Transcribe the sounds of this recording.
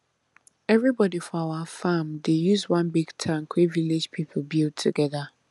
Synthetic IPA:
ɛvɹibɔdifɔawafãmdejuzwãnbiɡ̥tʰãŋ̩kʰeviled͡ʒpʰipʰl̩ˠbild̚tʰːuɡɛða

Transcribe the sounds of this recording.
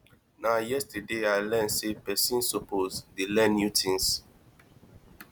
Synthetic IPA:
najɛstɛdeajlɛ̃nsepɛsĩnsɔpozdelɛ̃njutʰĩns

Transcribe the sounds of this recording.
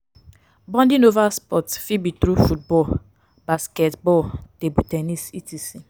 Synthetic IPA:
bɔ̃ndinovaspɔtfibitɾufut̚bɔl | baskɛtbɔltebutenisitisi

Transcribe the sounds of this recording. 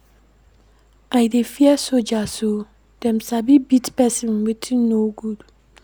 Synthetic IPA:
ajdefiɛsod͡ʒaso | d̥ɛ̃msabibitpɛsĩnwetʰinoɡud̥

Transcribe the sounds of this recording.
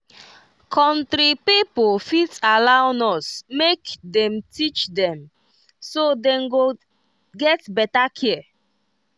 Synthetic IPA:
kʰɔ̃ntɾipipolfitalaʊnɔsmekdɛ̃mtʰit͡ʃdɛ̃m | sodɛ̃mɡo | ɡɛtbɛtakʰiə

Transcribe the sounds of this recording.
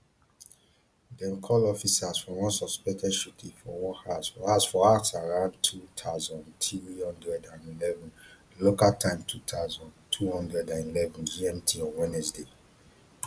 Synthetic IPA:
dɛ̃nkʰɔlɔfisaz̥fɹɔ̃mwɔ̃nsɔspɛktʰɛdʃutʰĩfɔwɔ̃hasɔhasfɔaksaɹãʊ̃ntʰutʰaʊzɔ̃ntʰiɹilɔ̃ndɹɛdãnilɛvɔ̃n | lokaltʰãɪ̃mtʰutʰazɔ̃ntʰuhɔ̃ndɹɛdãnilɛvɔ̃nd͡ʒiɛ̃mtʰiɔ̃wɛ̃nɛsde

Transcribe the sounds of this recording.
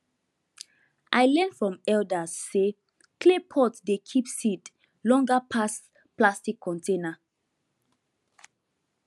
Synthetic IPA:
ʔajlɛ̃ndfɹɔ̃mɛldəsːe | kʰlepʰɔtdekʰipsit | lɔ̃ŋɡəpʰas | plastikʰːɔ̃ntʰẽna

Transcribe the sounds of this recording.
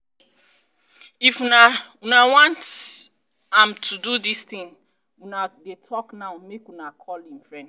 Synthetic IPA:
ifunawunawãnt | ãmtʰududist̪ĩn | wunadetʰɔknaʊmekwunakʰɔlĩmfɹɛ̃n

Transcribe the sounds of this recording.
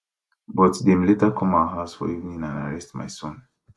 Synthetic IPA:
bɔtdɛmlɛtakʰɔ̃maɦasfɔ̰ivnĩŋãna̰ɹɛstma̰jsɔ̃n

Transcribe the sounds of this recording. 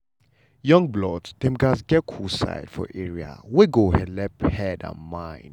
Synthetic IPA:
jɔ̃ŋblɔdd̥ɛ̃mɡasɡɛkʰusa̰jd̥fɔ̰ʔɛɹia̰weɡohɛ̃lɛphɛdã̰nmãɪ̃n

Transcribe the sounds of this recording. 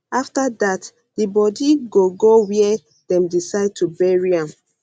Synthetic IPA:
aftadat | dibɔdiɡoɡowiɛ | dɛ̃mdisaɪd̚tʰubɛɹiãm

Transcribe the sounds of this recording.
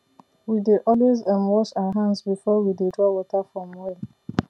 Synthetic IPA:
wideʔɔlwezɛnwɔsaɦãnzbifɔwidedɹɔwɔtafɹɔ̃mwɔl

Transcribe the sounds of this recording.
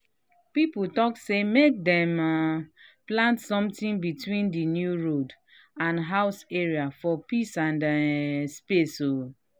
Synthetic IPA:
piputɔksemek̚dɛ̃m | plãntsɔ̃mtĩnbitwĩndinjuɹod | ãnɦaʊseɹiafɔpisãndspeso

